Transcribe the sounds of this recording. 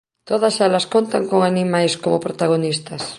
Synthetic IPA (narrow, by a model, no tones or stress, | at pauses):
t̪oðasalaskont̪aŋkoŋanimajskomopɾot̪aɣ̞onist̪ɐs